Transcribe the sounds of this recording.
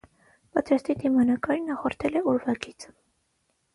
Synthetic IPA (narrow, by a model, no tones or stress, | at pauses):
pɑt̪ɾɑst̪id̪imɑnɑkɑɾinɑχɔɾt̪ʰɛlɛuɾvɑɡit͡sʰ